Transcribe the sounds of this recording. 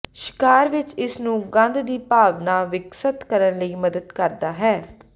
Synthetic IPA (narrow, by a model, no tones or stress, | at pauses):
ʃɪ̥kaːɾʋɪt͡ʃɪsnũːɡə̃nd̪d̪iːpaːʋnaːʋɪɡsət̪kəɾənləiːməd̪əd̪kəɾd̪aːɦɛː